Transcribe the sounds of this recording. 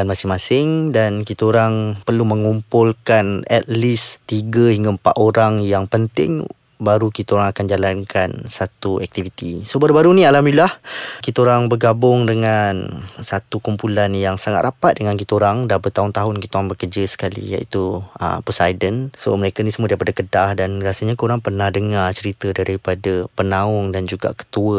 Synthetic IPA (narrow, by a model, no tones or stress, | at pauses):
anmasɪŋmãsɪŋdankit̪aoɾaŋpərlumə̃ŋumpʊlkanɛ̰t̪̚list̪iɡəhiŋɡaəmpa̰ʔ̪oɾaŋjaŋpənt̪ɪ̰ŋ | baɾukit̪aoɾaŋakand͡ʒalankʰansat̪uɛk̚t̪ivit̪ḭsobaɾubaɾunĩalamilahkit̪aoɾaŋbərɡabʊŋdəŋansat̪ukumpulanjaŋsaŋat̪̚rapat̪̚dəŋank̬it̪aoɾaŋdabət̪aɦʊnt̪aɦʊnkit̪aoɾaŋbəkərd͡ʒəsə̥kalḭja̰ʔit̪uə̰pusajdənso̰məɾekanisəmuədaipadakədahdanɾasaɲakoɾaŋpərnahdəŋat͡ʃəɾit̪ədɾaɾipadapənãʊŋdand͡ʒuɡa̰ʔkə̥t̪uə